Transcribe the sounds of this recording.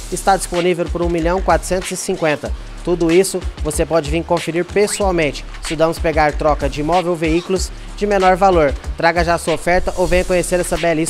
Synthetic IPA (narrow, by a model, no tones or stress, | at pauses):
ɪst̪ad͡ʒisponivewpʊɾũmiʎɐ̃w̃kwat̪ɾʊ̥sẽnt̪ʊzɪsĩŋkwẽnt̪ɐ | t̪ud̪ʊisʊvosepɔd͡ʒɪvĩkõfeɾiɾpesuawmẽnt͡ʃɪ̥ | sɪud̪ɐ̃mʊspeɡaɾt̪ɾɔkɐd͡ʒɪimɔvewveiklʊz | d͡ʒɪmẽnɔɾvaloɾt̪ɾaɡɐʒaːsuɐofɛɾt̪ɐʔowvẽj̃ɐkõɲeseɾɛsɐbɛlis